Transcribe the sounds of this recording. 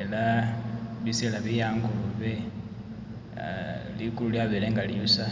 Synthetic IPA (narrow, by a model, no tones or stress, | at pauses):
ela | βiselaβijaːŋɡoβe | likululjaβeleŋɡaliusa